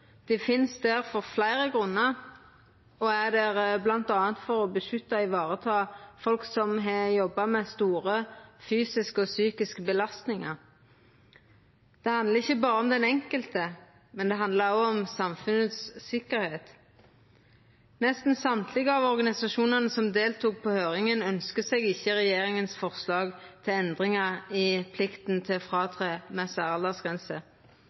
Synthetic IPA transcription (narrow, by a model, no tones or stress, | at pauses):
d̪̥ɛfɪnsd̪ɛʁfɔʁflæɪʁəɡʁʉnːəʁ | ɔæd̪ɛʁblɑnt̪ɑːnt̪fɔɾɔbəʃʉt̪ːɑɪʋɑːʁət̪ʰɑːfɔlksɔmɦɛjɔbːɑmɛst̪uːʁəfyːsɪskəɔsyːkɪskəbəlɑst̪nɪŋɑ | d̪̥ɛhɑnd̪ləʁɪçːəbɑːɾəɔmd̪ɛnɛŋkəlt̪ə | mɛnd̪ɛɦɑnd̪lɑʁɔɔmsɑmfʉnət̪sːɪkəʁɾheːt̪ | nɛst̪n̩sɑmt̪ʰlɪɡəɑʋɔʁɡɑnɪsɑʃuːnɑnəsɔmd̪eːlt̪uːk̚pʰɔhøːʁɪŋənœnskəseːɡɪçːəʁɛjeːʁɪŋənsfɔʁslɑːɡt̪ʰɪlɛnd̪ʁɪŋɑʁɪpʰlɪkt̪nt̪ʰɪlfʁɑːt̪ʰʁeːmɛsæːʁɑld̪ɑsɡʁɛnsə